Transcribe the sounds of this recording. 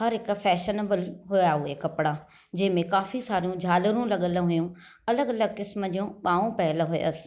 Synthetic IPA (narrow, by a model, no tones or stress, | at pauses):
hɐɾɦɪkfʰɛːʃənəbəlɦʊjaɦʊekɐpɽa | d͡ʑɐ̃ɦɪ̃mẽkaːfisaːɾijũd͡ʑʱaːləɾũlɐɠələ̃ɦʊjũ | ɐləɡɐləɡ̚kɪsmə̆d͡ʑiũɓaːũpɐɦɪləɦʊḛəsɪ̥̆